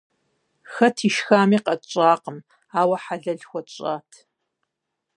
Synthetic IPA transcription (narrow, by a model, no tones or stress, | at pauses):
xɐtʰiʃxaːmiːqɐt͡ʃʼaːqəm | aːwɐħaɮɐɮxʷɔt͡ʃʼaːtʰ